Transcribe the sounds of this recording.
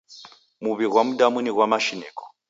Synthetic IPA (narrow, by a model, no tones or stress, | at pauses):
muβiɣwamudamuniɣwamaʃinɛːkɔ̥